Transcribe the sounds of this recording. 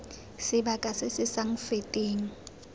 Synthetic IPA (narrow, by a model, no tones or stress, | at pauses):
sɪbakʼasɪsɪsaŋ̩fetʼeːŋ̩